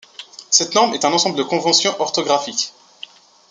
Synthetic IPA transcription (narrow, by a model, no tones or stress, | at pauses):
sɛt̪nɔʁmɛt̪ɛ̃nɑ̃sɑ̃bləd̪əkɔ̃vɑ̃sjɔ̃ʔɔʁt̪ɔɡʁafik